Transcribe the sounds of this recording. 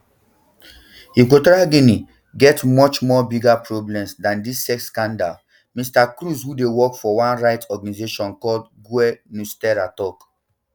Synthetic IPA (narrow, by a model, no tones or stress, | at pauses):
ikotɹaɡini | ɡɛtmɔt͡ʃmɔbiɡapɹɔblɛ̃msdãndisːɛkskãnda̰l | mistakɹushudewɔkfɔwãnɹaɪtɔɡanizeʃɔ̃nkɔldɡuɛnustɛɹatɔk